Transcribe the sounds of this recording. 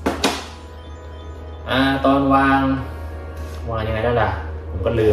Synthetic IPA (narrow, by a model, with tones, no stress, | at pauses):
ʔaː˧˩t̪ɔː˧nwaː˧ŋ | wŋaː˧nja˧ŋa˧jda˥˩la˧˩ʔpʰo˨˩˦mkɔː˥˩lɯː˧